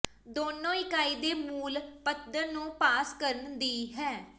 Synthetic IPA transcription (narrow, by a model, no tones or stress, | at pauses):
d̪oːnõːɪkaːiːd̪eːmuːlpət̪d̪əɾnũːpaːskəɾənd̪iːɦɛː